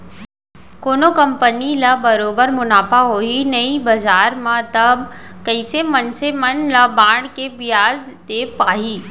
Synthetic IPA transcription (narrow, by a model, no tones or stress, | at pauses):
koːnokɐmpənilabɐɾoːbəɾmʊnaːpaɦoːinɐibɐzaːɾmãt̪ɐb | kəɪsemɐnsemɐnlabãːɽkebijaːz | t̪epaːɦiː